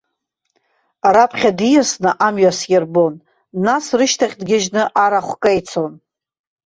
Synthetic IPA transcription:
rapʰχʲadijasnɨʔamɥasjerbo̞nː | asrɨʃtʰaχʲdɡʲɪʒnɨʔaɾaχʷkʼajt͡sʰon

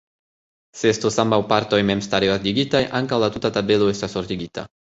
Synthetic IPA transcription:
sest̪osambawpaɾt̪ojmɛmst̪aɾeazd̪iɡit̪ajʔaŋkawlat̪ut̪at̪abeluest̪asoɾt̪iɡit̪a̰

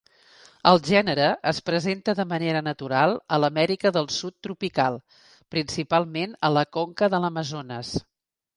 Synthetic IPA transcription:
əlˠʒɛnəɾəʔəspɾəzent̪əðəməneɾənət̪uɾalˠələmɛɾikəðəlˠsut̪ːɾupikalˠ | pɾinsipalˠmenələkoŋkəðələməzonəs

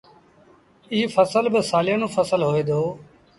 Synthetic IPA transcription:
iːfəsəlbɪsaːlɪjənõːfəsəlɦoːeːd̪oː

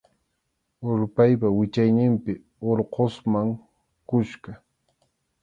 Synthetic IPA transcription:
oɾpajpawɪt͡ʃajnɪmpɪ | oɾqosmaŋ | kʊʃkɑ

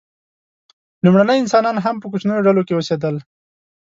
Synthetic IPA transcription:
lumɽanəjɪnsɑnɑnɦampəkʊt͡ʃnajoɖalokewəsed̪əl

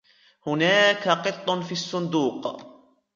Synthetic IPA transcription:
hʊnaːkaqɨt̪ˤːʊnfiːɑsˤːʊnd̪uːq

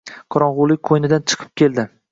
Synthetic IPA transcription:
qʰɑɾɒɴʁʊlˠɪk̚ʲqʰojnɪd̪ant͡ʃʰɨ̥qʰɨ̥p̚kʲʰe̞ld̪ɪ

